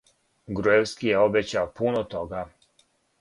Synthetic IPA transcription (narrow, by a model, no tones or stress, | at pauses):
ɡɾuewskijeobet͡ɕaopunot̪oɡa